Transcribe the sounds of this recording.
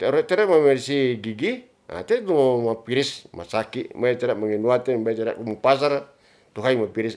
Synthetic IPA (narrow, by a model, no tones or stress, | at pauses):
t̪ɛɾot̪ɛɾamamɛrsiɡiɡi | a̰t̪ɛt̪umapiɾisma̰sakibait̪ɛɾaʔmaŋinuat̪ɛnbajt̪ɛɾa̰ʔkumupas̬aɾ | t̪uɦaimapiɾis